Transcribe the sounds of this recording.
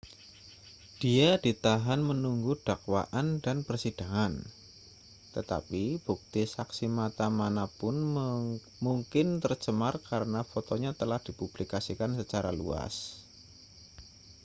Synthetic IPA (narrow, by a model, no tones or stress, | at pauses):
d̥iadit̪aɦanmənuŋɡud̥akwa̰ʔandanpərsid̥a̤ŋan | t̪ət̪a̰pib̥uk̚t̪isaksimat̪amanapʊn | muŋkɪnt̪ərt͡ʃəmarkaɾənafot̪oɲat̪əlahd̥ipub̥likasikansət͡ʃaɾa̰lṵa̰s